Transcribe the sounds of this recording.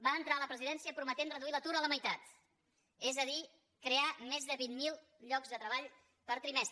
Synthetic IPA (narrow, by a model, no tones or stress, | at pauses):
baənt̪ɾaləpɾəziðɛnsiəpɾumət̪enrəðuilət̪uɾələməjt̪at̪ | ezəði | kɾeamezðəβinmːilˠ | ʎɔkzðət̪ɾəβaʎ | pəɾt̪ɾimɛst̪